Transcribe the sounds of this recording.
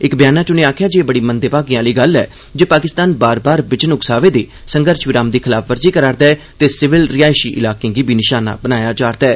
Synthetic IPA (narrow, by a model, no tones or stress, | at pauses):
ɪkbɪjaːnãːt͡ʃʊneːaːkʰjaːd͡ʒeːbəɽiːmənd̪eːpaːɡĩãːliːɡəlːɛ̰ː | d͡ʒeːpaːkɪst̪aːnbaːɾbaːɾbɪt͡ʃənʊksaːʋeːd̪eː | səŋɡəɾʃʋɪɾãːmd̪iːkʰɪlaːpʰʋəɾziːkəɾaːɾd̪ɛː | t̪eːsɪʋɪlɾɪaːɪʃiːʔɪ̰laːkẽãːɡiːbʱiːnɪʃaːna̰ːbənaːjaːt͡ʃaːɾd̪ɛː